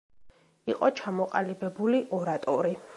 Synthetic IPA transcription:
iqʼɔt͡ʃʰamɔqʼa̰libɛbuliʔɔɾat̪ʼɔɾi

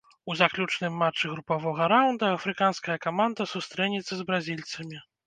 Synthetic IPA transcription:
uzaklʲut͡ʂnɨmːat͡ʂːɨɣɾupavɔɣɐɾawnd̪ɐɐfɾɨkanskɐjɐkamand̪ɐsust̪ɾɛnʲit̪sːɐzbɾazʲilʲt̪sɐmʲi

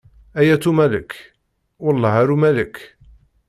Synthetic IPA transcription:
ʔæjæt̪umælək | wɑlˤːɑhaɾumælək

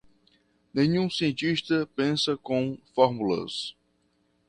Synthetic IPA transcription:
nẽɲũsiẽnt͡ʃ̪iʃt̪ɐpẽsɐkõfɔɾmulɐ̰s

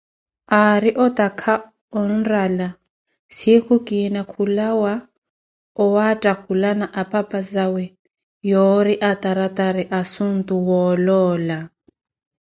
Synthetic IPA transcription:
aɾiʔɔt̪ʼakʰa | ɔn̩rala | sikukʼinakʰulawa | ɔwatʼakʰulanaʔapʼapʼazawɛ | jɔɾiʔat̪ʼaɾat̪ʼaɾiʔasun̩t̪ʼuwɔlɔːla

